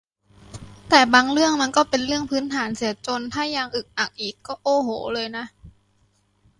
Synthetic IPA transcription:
t̪ɛː˨˩baː˧ŋɾɯ˥˩əŋma˧nkɔː˥˩pe˧nlɯ˥˩əŋpʰɯː˦˥nt̪ʰaː˩˦nsi˨˩˦ɐt͡ɕo˧nt̪ʰaː˧˥˩jːaː˧ŋʔɯ˨˩k̚na˨˩k̚ʔiː˨˩kːɔː˥˩ʔoː˧˩ɦoː˨˩˦lɤː˧jna˦˥ʔ

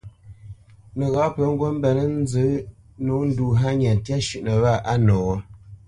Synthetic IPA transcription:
nə˨ɣa˨˦pə˨˦ŋ̩˦ɡwo˦m̩˦bɛ˨nə˦n̩˦zɨ˨˦ | no˨˦n̩˦du˨ɦa˦ɲa˨n˨tja˦ʃʉ˨ʔnə˨βa˦˨ʔa˦nɔː˨wə˦

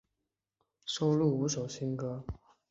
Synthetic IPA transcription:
ʂo˥ʊlu˥˩u˧˥ʂo˨˩ʊɕi˥nkɤ˥

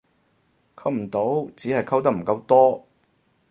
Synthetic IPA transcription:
kʰɐ˥w̚m̩˨˩t̪o˨˥wt͡siː˨˥ɦɐ˨jkʰɐ˥wt̪̬ɐ˥m̩˨˩kɐ˧wt̪ɔː˥

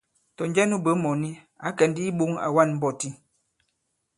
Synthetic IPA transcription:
tɔ˨n˦d͡ʒɛ˦nu˦bə˨˦mɔ˨ni˦ | a˨˦kɛ˨˦n˦di˦i˦bo˦ŋa̰˨wa˦nm̩˦bɔ˦˨ti˦

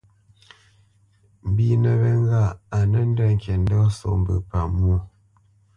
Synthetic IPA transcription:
m̩˨bi˦nə˨βɛ˦ŋ˦ɡa˦˨a˨nə˦n̩˦də˦˨ŋ˨kɛ˨n˦dɔ˦so̰˨mbə̰˨pa˨mu˦

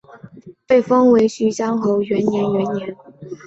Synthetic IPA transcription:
pe˥˩ɪfɤ˥ŋwe˧˥ɪɕy˧˥ɕjɑ˥ŋxo˧˥ʊɥɛ˧˥njɛ˧˥nɥɛ˧˥njɛ˧˥˦n

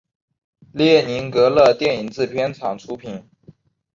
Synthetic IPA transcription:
ljɛ˥˩ni˧˥nkɤ˧˥lɤ˥˧t̪jɛ˥˩ni˨˩ŋt͡sɹ̩˥˩pʰjɛ˥nt͡sʰɑ˨˩ŋʈ͡ʂʰu˥pʰi˨˩˦n

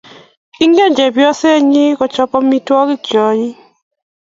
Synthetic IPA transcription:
i˦ŋɡe˦d͡ʒɛ˨bjɔ˦se˦ɲɪ˦kɔ˨t͡ʃɔ˨pɔ˦mi˦twɔ˦kɪ˦kjɔ˨ɲi˦

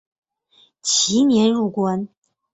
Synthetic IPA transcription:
t͡ɕʰi˧˥njɛ˧˥nɻu˥˩kwa˥n

